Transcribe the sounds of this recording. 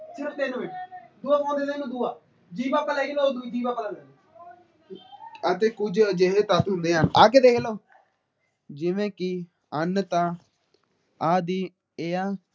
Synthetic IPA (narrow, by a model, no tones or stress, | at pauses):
sʰeɾt̪enod̪uːaːkãːnd̪eːneːnũːd̪uaː | d͡ʒiːbaːkəlɛːɡeloːd̪uid͡ʒiːbaːkəlaːlɛ | ət̪eːkʊd͡ʒd͡ʒeɦeːt̪ət̪ɦʊnd̪eːɦənaːk̬ɪd̪eːkʰloː | d͡ʒɪʋẽːkɪ | ənt̪ãː | aːd̪iː | eːaː